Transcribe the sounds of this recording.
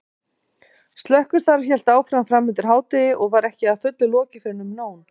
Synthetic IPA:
st̪lœhkʏst̪aɾçɛl̥t̪aːwfɾamfɾamʏnt̪ʏɾ̥ɦaːwt̪ɪʔɔɣvaɾɛhcɪaðfʏt̪lʏlɔːcɪfɪɾɪnːʏmnoːwn

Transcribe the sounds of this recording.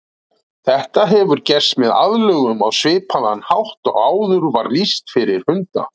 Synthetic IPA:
θɛht̪aɦɛvʏɾcɛr̥st̪mɛða̰ðlœɣʏmawsvɪːpʰaðanhawht̪ɔ̰ɣaːwðʏɾvaɾlist̪fɪɾɪɾ̥hʏnt̪a̰

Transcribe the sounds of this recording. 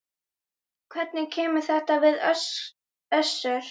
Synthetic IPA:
kʰvɛt̪nɪcʰɛːmʏ̥θɛht̪avɪðœs | œsːʏɾ̥

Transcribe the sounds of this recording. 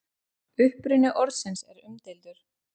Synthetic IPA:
ʏhpɾʏnʏʔɔɾsɪnsɛɾʏmt̪ɪlt̪ʏɾ̥

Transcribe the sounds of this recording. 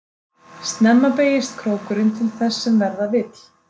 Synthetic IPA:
st̪nɛmːapeːjɪst̪kʰɾoːwkʏɾɪnt̪ʰɪlθɛsːɛmvɛɾðavɪt̪

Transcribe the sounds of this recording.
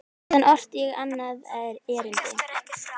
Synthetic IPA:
anʔɔr̥t̪jɛɣanːaðɛðɾɛːɾɪlc̪ɪ

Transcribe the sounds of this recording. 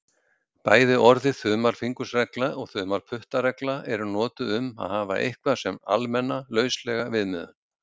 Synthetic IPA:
paːjðɪʔɔɾðɪθʏːmalfiŋkʏsrɛklaɔɣθʏːmalpʰʏht̪aɾɛklaʔɛɾʏnɔːt̪ʏʏma̰ðhaːva̰ʔḛjhkvasɛma̰lmɛnːalœːɥslɛɣavɪðmɪːðʏ̰n

